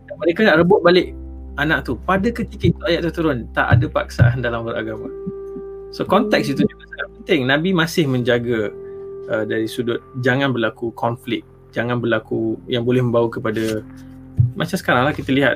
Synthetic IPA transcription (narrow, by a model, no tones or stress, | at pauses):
daməɾekənaʔrəbʊʔ̪̚balɪʔ | ʔanaʔ̚t̪upadakət̪ikit̪uajaʔ̚t̪ut̪uɾʊnt̪a̰ʔa̰dəpa̰ksa̰ʔandalaməɾa̰ɡama | sokɔnt̪ɛk̚sit̪ud͡ʒuɡasaŋat̪̚pənt̪ɪŋnãbimãsɪhmə̃ɲd͡ʒaɡa | ədaɾisudʊt̪̚d͡ʒaŋanbərlakukɔnflɪk̚ | d͡ʒaŋanbərlakujaŋbolɛhmə̃mbawukəpada | mʔat͡ʃamsə̥kaɾaŋlahkit̪əliɦat̪